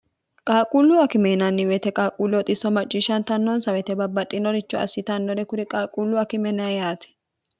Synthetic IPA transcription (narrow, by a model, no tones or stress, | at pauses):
kʼaːkʼuːlːʊɐkɪmɛnɐnːɪwɛt̪ɛkʼaːkʼuːlːɔt̪ʼɪsːɔmɐt͡ʃʼːɪʃɐnt̪ɐnːɔnsɐwɛt̪ɛbɐbːɐt̪ʼːɪnɔɾɪt͡ʃːɔɐ̰sːɪt̪ɐnːɔɾɛkʊɾɪkʼaːkʼuːlːʊɐkɪmɛnɐjaːt̪ʰɛ̥